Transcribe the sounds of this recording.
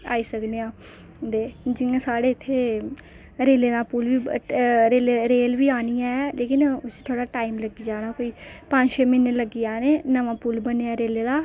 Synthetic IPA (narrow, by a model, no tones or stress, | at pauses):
a̰ːiːsəkd̪eãː | d̪eːd͡ʒɪãːsaːɽeːɪt̪ʰːeː | ɾeːleːd̪ãːpulʋiːɾeːleɾeːlʋiːaːnijãɛleːkɪnʊst̪ʰoːɽaːʈaːimləɡiːd͡ʒaːnaːkoːiːpə̃d͡ʒʃeːmɪnːləɡiːaːneːnəʋãːpuːlbəneːaːɾeːleːd̪aː